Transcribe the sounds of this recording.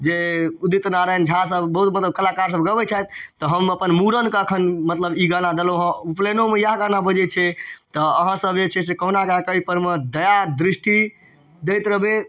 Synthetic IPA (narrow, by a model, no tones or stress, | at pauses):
d͡ʒeud̪it̪naɾənd͡ʒəɦãsəbːəɦut̪̚mət̪ləb̚kəlakaɾs̬əbɡəbɛt͡ʃʰat̪t̪ɔɦəməpənmuɾənkəkʰənmət̪ləbiɡanad̪eloəɦə̃uplenomejaɦɡanabəd͡ʒɛt͡ʃʰɛt̪ɔəɦãsəbd͡ʒet͡ʃʰɛs̬ekəɦnakakəipəɾmed̪əjad̪ɾisʈi | d̪ejt̪ɾəbe